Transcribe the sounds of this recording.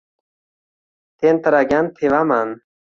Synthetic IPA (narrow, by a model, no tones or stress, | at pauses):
t̪ent̪əɾaɡʲant̪ʰevaman